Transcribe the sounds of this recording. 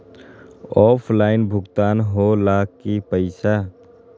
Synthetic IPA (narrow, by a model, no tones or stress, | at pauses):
ɔːpʰlaːɪnbʱʊɡt̪aːnɦolaːkkːipəɪsa